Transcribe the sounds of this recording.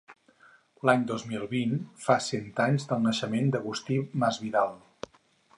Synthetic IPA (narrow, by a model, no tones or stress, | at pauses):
laɲd̪ozmilˠβinfasɛnt̪aɲzd̪əlˠnəʃəmend̪əɣust̪iməzβiðalˠ